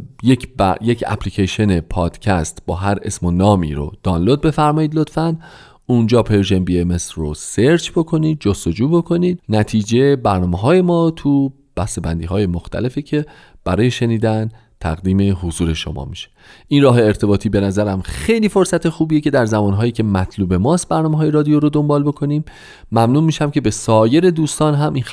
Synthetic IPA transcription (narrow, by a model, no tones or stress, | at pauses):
jecʰbæjecʰæ̰pʰliːcʰeʃone̞pʰɒːd̪̥cʰæst̪b̥ɒːɦæɾe̞̰smonɒːmḭːɾo̰d̪̥ɒnlod̪̚be̞fæɾmɒːiːd̪lo̞t̪fæn | und͡ʒɒːpʰeɾʒembiemesɾoseɾt͡ʃʰbo̞kʰo̞niːd̪̚d͡ʒost̪o̞d͡ʒuːbo̞kʰo̞niːd̪̥næt̪ʰiːd͡ʒe̞bæɾnɒːmeɦɒːje̞mɒːt̪ʰu | b̥æst̪e̞bænd̪iːɦɒːje̞moxt̪ʰæ̰le̞ficʰe̞ | b̥æɾɒːje̞ʃe̞niːd̪æn | t̪ʰæ̰ɣd̪iːme̞ɦozuːɾe̞ʃo̞̰mɒ̰ːmiʃe̥ʔinrɒːɦe̞ːɾt̪ʰe̞bɒːt̪ʰiːbe̞næzæɾæmxe̞jliːfo̞ɾsæt̪ʰe̞xuːbijecʰe̞d̪æɾzæmɒːnɦɒːjiːcʰe̞mæt̪ʰluːbe̞mɒːst̪̚bæɾnɒːmeɦɒːje̞ɾɒːd̪ijoɾod̪o̞mbɒːlbo̞kʰo̞niːmː | æmnuːmiːʃæmcʰe̞be̞sɒːje̞ɾe̞d̪uːst̪ɒːnɦæmʔin